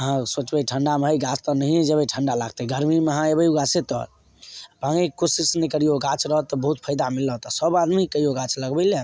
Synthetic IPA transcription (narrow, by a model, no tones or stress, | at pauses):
əɦãsot͡ʃbəjʈʰəɳɖameɦəjɡast̪ənəɦied͡ʒəbeʈʰəɳɖalaɡ̚t̪eɡəɾmimeəɦãebəjuɡaset̪ɔ̰ | pãŋekosisnekəɾijoɡat͡ʃɾəɦət̪ɔbəɦut̪̚pʰəjd̪amilːəɦt̪ɔsəbad̪mikəijoɡat͡ʃləɡbəɪle